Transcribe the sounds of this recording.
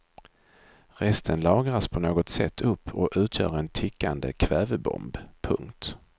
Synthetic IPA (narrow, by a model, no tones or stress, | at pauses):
ɾɛst̪ʰənlɑːɡɾaspʰɔnoːɡɔt̪sɛt̪ʰːɵpːɔʔʉ̟ːt̪ʰjœ̰ːɾɛnt̪ʰɪkʰːand̪ə̰kʰvɛːvəbɔ̰mbpʰɵŋkt̪